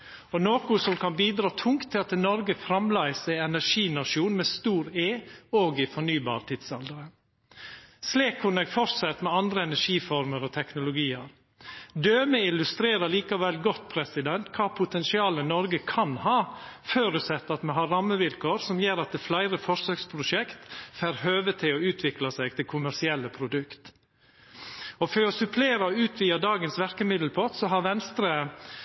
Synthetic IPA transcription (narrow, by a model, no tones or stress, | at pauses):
ɔnoːkʊsɔmkʰɑnbiːd̪ɾɑːt̪ʰʊŋkt̪ʰːɪlɑt̪nɔɾɡəfɾɑmlæɪsæɪɛnæʂiːnɑʂuːnmɛst̪uːɾeːoːɡɪfɔɳyːbɑ̰ːɾt̪ʰɪd̪sɑld̪əɾə | sliːkʰːʊnɛɡfɔɾsɛt̪ːmɛɑnd̪ɾəɛnæʂiːfɔɾməɾɔt̪ʰɛknʊlʊɡiːəɾ | d̪øːməɪlʉst̪ɾeːɾəliːkɑʋɛlɡɔt̪̚ːpʰɾɛsɪd̪ɛnt̪kʰɑːpʰʊt̪ʰɛnsɪɑːlənɔɾɡəkʰɑnhɑːføːɾʉsɛt̪ːɑt̪mɛɦɑɾɑmːəʋɪlkʰoːɾsɔmjeːɾɑt̪̚d̪ɛːflæɪɾəfɔʂsøːkspʰɾʊʂɛkt̪fæːɾhøːʋət̪ʰɪlɔʉːt̪ʰʋɪklɑsæɪɡ̚t̪ʰɪlkʰʊmæɾsɪɛlːəpʰɾʊd̪ʉkt̪ | ɔføɾɔsʉpʰleːɾəɔʉːt̪ʰʋiːɑd̪ɑːɡənsʋæɾkəmɪd̪l̩pʰɔt̪sɔɦɑɾʋɛnst̪ɾə